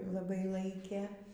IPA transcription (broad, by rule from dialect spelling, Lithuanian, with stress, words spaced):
lˠɐˈbɐɪ ˈlˠɐɪkʲeː